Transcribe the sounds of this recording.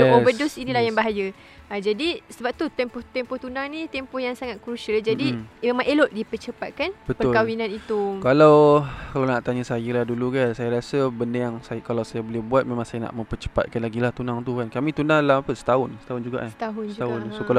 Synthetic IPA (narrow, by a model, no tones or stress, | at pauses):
obədʊsinilahjaŋbaɦajə | ad͡ʒadisəbap̚t̪ut̪ɛmpɔht̪ɛmpɔht̪unaŋnĩt̪ɛmpɔhjaŋsaŋat̪̚kɾusald͡ʒadimemãŋʔelɔʔ̪̚dipət͡ʃəpat̪̚kanbətpəʊkawinãnit̪ukalawkalawnaʔt̪aɲəsajəlahdulukansajaɾasəbəndəjaŋsajkalawsajabolɛhbuat̪̚mẽmãŋsajana̰ʔmə̃mpət͡ʃə̥pa̰t̪̚kanlaɡilaht̪unaŋt̪ukankamĩt̪unahlahapəsə̥t̪aɦʊnsə̥t̪aʊnd͡ʒuɡa̰ʔat̪aɦʊsaɦʊnsokala